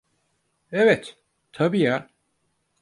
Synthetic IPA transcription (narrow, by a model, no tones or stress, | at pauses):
ɛvɛt̪ | t̪ʰabija